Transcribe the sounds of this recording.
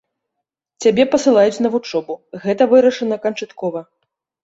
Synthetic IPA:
t͡sʲabʲɛpɐsɨlˠajut͡sʲn̪ɐvut͡ʂɔbuɣɛt̪ɐvɨɾɐʂɐnɐkɐnt͡ʂat̪kɔvɐ

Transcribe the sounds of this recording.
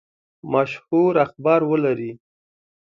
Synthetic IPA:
maʃhuɾaxbɑɾwəlaɾi

